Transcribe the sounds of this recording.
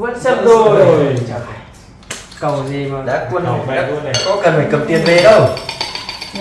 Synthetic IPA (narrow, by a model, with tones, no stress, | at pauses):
və˧˥nsə˦˥t̚zo˧˨˧ | kə˨˩wzi˨˧˩maː˨˩ɗa̰ː˧˥ku˧ən˨˩a˧˦˥kɔ̰˧˥kə˨˩nfa˨˩jkə˨˩m̚t̪i˧ənve˧ɗə˧w